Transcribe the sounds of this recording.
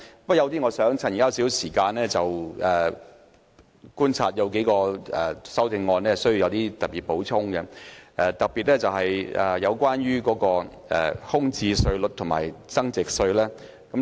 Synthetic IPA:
p̚jɐ˨˧wt̪̬iː˥ŋɔː˨˧sœː˨˥ŋt͡sʰa˨˩n˨˩kːaː˥˧wsiː˨˥wsiː˨˩kaː˧nɛː˥t͡sɐ˨wɛː˨˩ | kuː˥nt͡sʰa̰ː˧t̚jɐ˨˧wke˨˥jkɔː˧ɛ̰˨sɐ˥wt͡sɪ˧ŋːɔː˧nɛː˥sɵ˥ji˧jɐ˨˧wt̪iː˥t̪ɐ˨˩piː˨t̚po˨˥wt͡sʰʊ˥ŋkɛ˧ʔɛ˨˧t̪ɐ˨k̚piː˨t̚lɛː˥t͡sɐ˨wɦɐ˨jʔɛ̰˨˩jɐ˨˧wkʷwaː˥nɥyː˥kɔː˨˥kɔː˧ | ɛ̰˨hʊ˥ŋt͡siː˧sɵ˧ɥlɵ˨t̚t̪ʰʊ˨˩ŋma̰ː˨˩jt͡sɐ˥ŋt͡sɪ˨k̚sɵ˧ɥlɛː˥ | kɐ˨˥m

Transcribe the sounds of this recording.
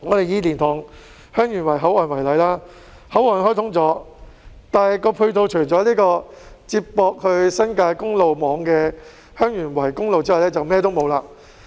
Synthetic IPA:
ŋɔː˨˧t̪e˨jiː˨˧liː˨˩nt̪ʰʊː˨˩ŋ | hœː˥ŋjyː˨˩nwɐ˨˩jɦɐ˨˥wɔː˨˩nwɐ˨˩jlɐ˨˧˥jlaː˥ | hɐ˨˥wɔː˨˩nɦɔː˥t̪ʰʊ˨˥ŋt͡sɔː˨˥ | t̪aː˨nhɐ˨jkɔː˧pʰu˧ɥt̪ʰo˧wt͡ʃʰɵ˨˩jt͡sɔː˨˥liː˥kɔː˧t͡siː˧ppɔː˧k̚hɵ˧ɥsɐ˥nkaː˧jkʊ˥ŋlo˨wmɔː˨˧ŋkɛː˧ | hœː˥ŋjyː˨˩nwɐ˨˩jkʊ˥ŋlo˨˧wt͡siː˥hɐ˨wlɛː˥t͡sɐ˨wmɛː˥t̪o˥wmo˨˧wlaː˧

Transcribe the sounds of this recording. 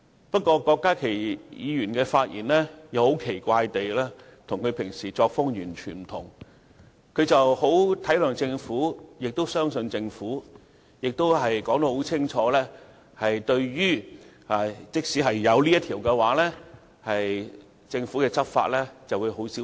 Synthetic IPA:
pɐ˥t̚kʷɔː˧kɔː˧kːaː˥kʰe˨˩jjiː˨˧jyː˨˩nkɛː˧faː˧t̚jḭː˨˩nlɛː˥jɐ˨˧who˨˥wkʰe˨˩jkʷaː˧jt̪e˨jlɛː˥t̪ʰʊ˨˩ŋkʰɵ˨˧ɥpʰɪ˨˩ŋsiː˨˩t͡sɔː˧k̚fʊ˥ŋjyː˨˩nt͡ʃʰyː˨˩nm̩˨˩t̪ʰʊ̰˨˩ŋ | kʰɵ˨˧ɥt͡sɐ˨who˨˥wt̪ʰɐ˨˥jlœː˨ŋt͡sɪ˧ŋfuː˨˥jɪ˨k̚t̪o˥wsœː˥ŋsɵ˧nt͡sɪ˧ŋfuː˨˥ | jɪ˨k̚t̪o˥wɦɐ˨jkɔː˨˥ŋt̪o˧˥who˨˥wt͡sʰɪ˥ŋt͡ʃʰɔː˨˧lɛː˥ | hɐ˨jt̪ɵ˧ɥjyː˥a˨t͡sɪ˥k̚siː˨˥ɦɐ˨jːɐ˨˧wli˥jɐ˥t̪ʰiː˨˩wkɛː˧waː˨˥lɛː˥ | hɐ˨j | t͡sɪ˧ŋfuː˨˥kɛː˧t͡sʰɐ˥p̚fa̰ː˧t̚lɛ˥t͡sɐ˨wuː˨˧jɦo˨˥wsi˨˥

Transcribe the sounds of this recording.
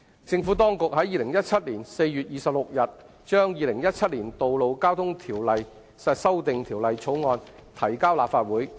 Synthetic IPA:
t͡sɪ˧ŋfu˨˥t̪ɔː˥ŋkʊ˨k̚ɦɐ˨˥jiː˨˧lɪ˨˩ŋjɐ˥t̚t͡ʃʰɐ˥t̚liː˨˩nse˧jjyː˨t̚jiː˨sɐ˨p̚lʊ˨k̚jɐ˨t̚ | t͡ʃœː˥ŋjiː˨˧lɪ˨˩ŋjɐ˥t̚t͡sʰɐ˥t̚liː˨˩nt̪o˨wlo˨˧wkaː˥wt̪ʰʊ˥ŋt̪ʰiː˨˩wlɐ˨j | sɐ˧sɐ˥wt̪ɪ˨ŋt̪ʰiː˨˩wlɐ˨jt͡sʰo˨˥wŋɔː˧nt̪ʰɐ˨˩jkaː˥wlaː˨p̚faː˧t̚wuː˨˥j

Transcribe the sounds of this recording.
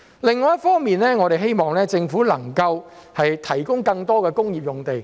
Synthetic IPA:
lɪ˨ŋːɔː˨˦jɐ˥tfɔː˥ŋmiː˨nlɛː˥ŋɔː˨˧ɾe˨jɦe˥jmɔː˨ŋlɛː˥t͡sɪ˧ŋfuː˨˥lɐ˨˩ŋkɐ˧whɐ˨jt̪ʰɐ˨˩jkʊ˥ŋkɐ˧ŋt̪ɔː˥kɛː˧kʊ˥ŋjiː˨˩p̚jʊ˨˩ŋt̪e˨˩j

